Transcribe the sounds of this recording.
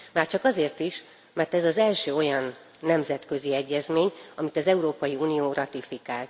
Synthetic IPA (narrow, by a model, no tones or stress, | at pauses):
maːrt͡ʃɒkɒzeːrt̪iʃ | mɛrt̪ɛzɒzɛlʃøːo̞jɒnː | ɛmzɛt̪kø̞ziɛɟːɛzmeːɲɒmit̪ɒzɛuɾoːpɒjiuːnijoːrʔɒt̪ifikaːlt̪